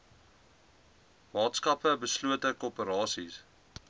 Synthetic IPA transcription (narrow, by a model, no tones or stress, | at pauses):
mɑːtskɐpəbəsluətəkopəɾɑːsḭs